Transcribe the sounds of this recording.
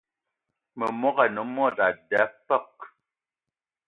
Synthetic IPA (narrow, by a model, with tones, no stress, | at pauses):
mə˨mɔ˦ɣa˨nɔ˨˦m˦ɔ˦˨da˨dɛ˨˦pə˦˨k̚